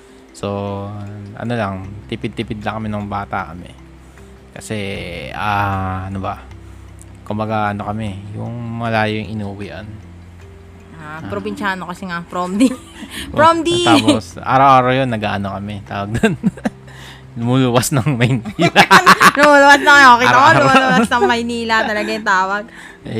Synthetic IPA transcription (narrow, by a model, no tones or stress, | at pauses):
so | ʔɐ̰no̞lɐŋt̪ipɪd̪̚t̪ɪpɪd̪lɐŋkɐmɪnɐŋbaːt̪ɐ̰kɐmɛ̰ | kɐsɛaɐnobɐ | kʊmbɐɡaʔɐno̞kɐmɛjʊŋmɐɐlaːjoŋʔɪnuʔʊwiːʔɐn | appɾobɪnʃaːnokɐsɛŋɐpɾomd̪i | ɾomd̪it̪aːpsʔa̰ːɾɐwʔaːɾɐwjonːɐɡaːʔɐnokɐmɛt̪a̰ːwɐɡ̚d̪on | lʊmuluwɐsnɐŋmɐjnilɐlʊmuːlʊwɐsnɐŋkokiːt̪ɐkowlsnɐŋmɐjniːlɐt̪ɐlɐɡajʊt̪aːwɐɡ̚